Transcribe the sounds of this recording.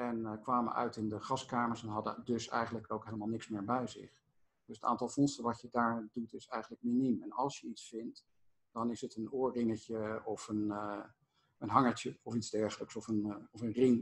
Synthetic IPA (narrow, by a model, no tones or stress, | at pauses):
ɛnkʋaːmə̰ʔœ̰ɥtɪndəχɑskaːməɹsɛnɦɑdə̰dɵsɛ̰jχənləkowkɦejləmalˠnɪksmɪːɹbɛjzɪ̰χ | d̥ɵsəta̰ːntɑlˠfɔnstəʋɑtədaːɹdutɪsɛjχənlək̚minimɛnɑ̰lˠsjəitsfɪnt | d̥ɑnɪsətənʊːɹrɪŋəcəɔfən | ənɦɑŋəɹcəɔfidzdɛɹχələksɔfənɔfənrɪŋ